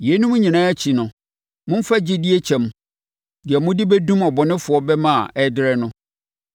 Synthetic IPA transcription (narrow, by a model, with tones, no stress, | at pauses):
je˨˦nũ˦m˦ɲĩ˨nãː˦æ˦t͡ɕʰi˨nʊ̃˨ | mʊ̃˦m̩˦fa˦d͡ʑɪ˦di˦e˦t͡ɕʰɛ̃˨m˦ | dɪ˨ɛ˨mʊ̃˦dɪ˦bɛ˦dũ˦mɔ˨bɔ˨nɪ̃˦fʊ˨ɔ˦bɛ˦mã˦a̰˨ɛ˦dɪ˦ɾɛ˦nʊ̃˦